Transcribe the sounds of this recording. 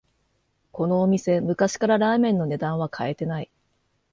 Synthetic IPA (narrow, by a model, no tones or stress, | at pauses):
ko̞no̞ːmʲise̞mɯ̟kaɕi̥kaɾaɾaːmẽ̞nːo̞ne̞d̪ãɰ̃β̞akʰae̞t̪e̞nai